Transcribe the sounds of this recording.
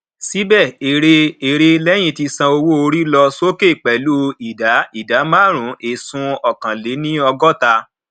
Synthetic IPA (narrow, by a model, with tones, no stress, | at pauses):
si˨˦bɛ˦˨e˨ɾe˧e˨ɾe˧lɛ˦j̃ĩ˧ti˧sã˧o˧wo˦o˧ɾi˦lɔ˧so˦ke˦˨k͡pɛ˨lu˦i˨da˨˦i˦˨da˨˦mã˦˨ɾ̃ũ˨˦e˨sũ˧ɔ˨kã˨le˨˦nĩ˦ɔ˧ɡɔ˦ta˧